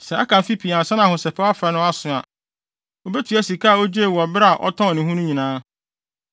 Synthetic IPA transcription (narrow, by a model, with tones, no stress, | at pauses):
sɛ˨a˦kʰã˨m˨fi˦pʰi˨ã˨n˨sã˦n˦ã˨hʊ̃˨sɛ˨pʰa˦a˦fɾa˦nʊ̃˦a˦sʊ̃˨a˨ | o˨be˦tʰi˨˦æ˦si˨kʰa˦a˨o˦d͡ʑe˦˨wɔ˨bɾa˨ʔɔ̰˦tʰɔ̃˦ɔ˨nɪ̃˨ɦũ˦nʊ̃˦ɲĩ˨nãː˦